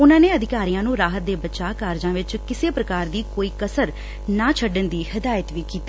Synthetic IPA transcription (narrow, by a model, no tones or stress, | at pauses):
ʊnãːneːəd̪ɪkaːɾijãːnũːɾaːɦət̪̚d̪eːbətːʃaːkaːɾd͡ʒãːʋɪt͡ʃkɪseːpɾəkaːɾd̪iːkoːiːkəsəɾ | naːt͡ʃʰəɖənd̪iːhɪd̪aːjət̪ʋiːkiːt̪ː